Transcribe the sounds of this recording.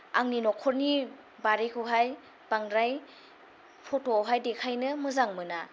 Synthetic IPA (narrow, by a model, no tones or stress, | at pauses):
aŋninɔkʰɔɾni | baɾekʰɯɦaj | b̥aŋɾaj | pʰɔtowɦajdekʰajnɯmɯzaŋmɯna